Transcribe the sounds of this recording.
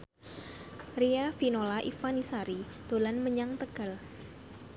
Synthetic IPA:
riafinolaʔifanisaɾid̪̥olanməɲaŋt̪əɡ̥a̤l

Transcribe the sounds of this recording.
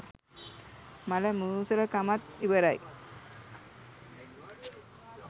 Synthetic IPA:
malamuusələkamat̪̚ibəɾaj

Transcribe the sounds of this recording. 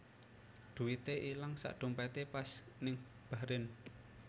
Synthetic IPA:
d̪̥ṳwit̪eʔilaŋsa̰ʔɖ̪̥ṳmpat̪epas | nɪŋ | b̥a̤ɾɪn

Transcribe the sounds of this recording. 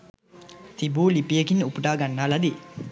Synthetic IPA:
t̪ibuːlipijekinupəʈaːɡanːaːlad̪i

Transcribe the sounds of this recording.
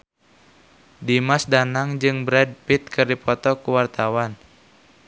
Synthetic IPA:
dimasdanaŋd͡ʒɨŋbɾɛd̚pit̪̚kɨrdipɔt̪ɔkuwart̪awan

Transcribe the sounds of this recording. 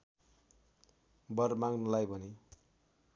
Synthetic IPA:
bʌrmaɡnʌlajbʱʌni

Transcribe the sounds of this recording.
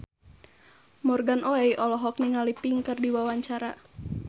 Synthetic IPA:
mɔrɡanʔɔɛjʔɔlɔɦɔk̚niŋalipiŋkɨrdiwawaɲt͡ʃaɾa

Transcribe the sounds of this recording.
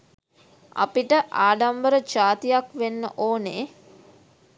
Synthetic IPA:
a̰piʈəʔaːɖambəɾət͡ʃaːt̪ijakʋenːə̰ʔoːne

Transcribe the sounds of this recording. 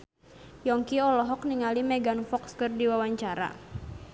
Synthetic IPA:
jɔŋkiɔlɔɦɔk̚niŋalimɛɡanfɔkskərdiwawaɲt͡ʃaɾa̰

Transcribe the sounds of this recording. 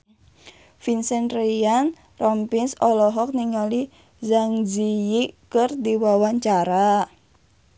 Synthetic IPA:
finsɛnrijan | rɔmpinsɔlɔɦɔk̚niŋali | zaŋd͡ʒijikɨrdiwawaɲt͡ʃaɾa

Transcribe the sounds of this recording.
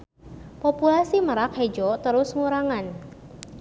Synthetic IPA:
populasiməɾak̚hed͡ʒɔt̪əɾʊsŋuɾaŋan

